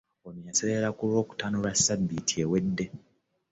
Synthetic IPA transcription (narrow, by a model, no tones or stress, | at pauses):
onjaseleɾakulwo̞ːku̥tanulasːabːitʰiewe̞dːe̞